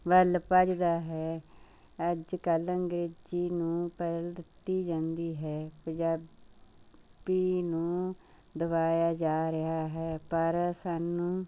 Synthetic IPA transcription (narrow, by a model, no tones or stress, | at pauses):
ʋəlpəd͡ʒd̪aːɦɛː | əd͡ʒkələŋɡɾeːd͡ʒiːnũːpɛdəld̪ɪt̪ːiːd͡ʒãːnd̪iːɦɛːpə̃ɲd͡ʒaː | b̥iːnũː | d̪əʋaːjaːd͡ʒaːɾɪɦaːɦɛːpəɾsaːnːũː